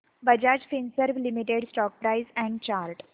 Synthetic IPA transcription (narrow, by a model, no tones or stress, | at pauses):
bəd͡ʑad͡ʑfinsəɾʋlimiʈeɖsʈɔːk̚pɾaɪzɛ̃ɳɖt͡ɕalʈ